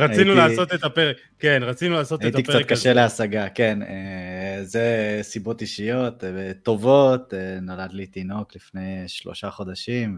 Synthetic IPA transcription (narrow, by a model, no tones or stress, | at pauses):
ʁainulaːo̞t̪et̪apeʁekː | enʁat͡sinulaːsotaeit̪ik̚t͡sat̚kaʃeleasaɡake̞nezesibo̞t̪iʃijo̞t̪t̪ːo̞vo̞t̪nolad̪lit̪ino̞klifne̞jʃlo̰ʃaχo̞d̪aʃim